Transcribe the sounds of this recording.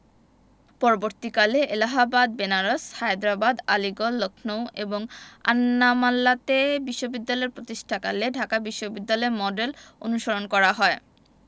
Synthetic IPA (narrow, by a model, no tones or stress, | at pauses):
pɔɾoboɾt̪ikaleʔelaɦabad̪̚benaɾoshajd̪ɾabad̪aliɡolːokʰnoweboŋa̰nːamalːat̪ebiʃːobid̪ːalɔeɾpɾot̪iʃʈʰakaleɖʱakabiʃːobid̪ːalɔemɔɖelo̰nuʃoɾonkɔɾaɦɔe